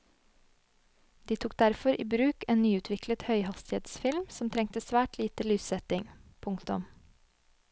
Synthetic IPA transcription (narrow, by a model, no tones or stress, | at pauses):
d̪iːt̪ʰuːk̚d̪æɾfɔɾʔiːbɾʉːkeːnnyːʉːt̪ʰʋɪklət̪hœʏhɑst̪ɪeːd̪sfɪlmsɔmt̪ʰɾɛŋ̚t̪əsʋæːʈliːt̪əlyːsɛt̪ɪŋpʰʊŋkt̪ʊm